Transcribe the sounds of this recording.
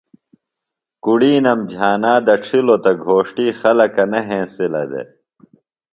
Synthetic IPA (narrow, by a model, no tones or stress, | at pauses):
kuɽiːnɐmd͡ʑʱaːnaːd̪ɐʈ͡ʂʰilot̪ɐɡʱoːʂʈiːxɐlɐkɐnɐɦẽːsilɐ̰d̪ḛ